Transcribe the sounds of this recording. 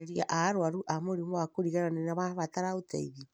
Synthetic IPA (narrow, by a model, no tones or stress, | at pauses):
ɾia̰ʔaɾwaɾuʔamoɾimoakoɾiɣaɾanenaβaβataɾaota̰iβi